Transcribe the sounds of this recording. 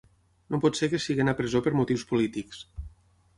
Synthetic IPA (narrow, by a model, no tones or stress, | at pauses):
nopɔt̪sekəsiɣenapɾəzopəɾmut̪iwspulit̪iks